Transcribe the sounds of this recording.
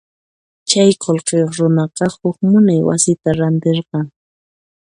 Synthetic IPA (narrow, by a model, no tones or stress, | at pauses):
t͡ʃajqolqejoχɾʊnɑqɑhʊkmʊnajwa̰sɪt̪aɾant̪eɾqɑŋ